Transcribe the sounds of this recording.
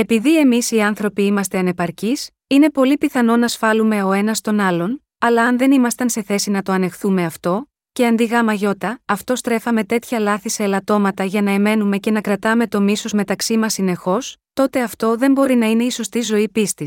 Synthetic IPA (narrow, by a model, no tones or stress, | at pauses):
e̞piðie̞misiɐnθɾo̞piimɐst̪e̞ɐne̞pɐɾcis | ine̞po̞lipiθɐno̞nɐsfɐlume̞o̞e̞nɐst̪o̞nɐlo̞n | ɐlɐɐnðe̞nimɐst̪ɐnse̞θe̞sinɐt̪o̞ɐne̞xθume̞ɐft̪o̞ | ce̞ɐnd̪iɣɐmɐʝo̞t̪ɐːft̪o̞st̪ɾe̞fɐme̞t̪e̞t̪çɐlɐθise̞ːlɐt̪o̞mɐt̪ɐʝɐnɐeme̞nume̞ce̞nɐkɾɐt̪ɐme̞t̪o̞miso̞zme̞t̪ɐksimɐsːine̞xo̞st̪o̞t̪e̞ɐft̪o̞ðe̞mbo̞ɾinɐine̞iso̞st̪izo̞ipist̪is